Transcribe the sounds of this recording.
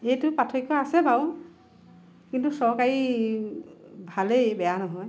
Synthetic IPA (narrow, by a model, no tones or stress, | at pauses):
ejtʊpatʰɔjkːɔasɛbaw | kintusɔɹkaɹi | bʱalejbɛjanɔɦɔj